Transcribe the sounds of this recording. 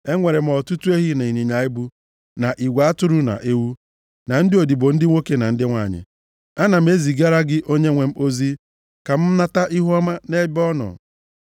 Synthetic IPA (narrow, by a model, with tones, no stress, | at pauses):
e˦ŋʷe˨ɾe˨m̩˦ɔ˨tu˦tu˦e˦ɦi˦na˨i˨ni˨ɲa˨ɪ˦bu˦ | na˨ʔi˨ɡʷa˨a˦tʊ˦ɾu˦na̰˨ʔe˦wu˦ | na˨n̩˦dɪ˦o˨di˨bo˨n̩˦dɪ˦ŋʷo˦ke˦na˨n̩˦dɪ˦ŋʷa˦˨ɲɪ̰˨ | a˦na˨m̩˦e˦zi˨ɡa˦ɾa˦ɡɪ˦ʔo˦ɲe˦ŋʷe˨m̩˦ʔo˦zi˦ | ka˨m̩˦na˦ta˦ʔi˦ɦʊ˦ɔ˦ma˦ne˦bɔ˦nɔ̰˨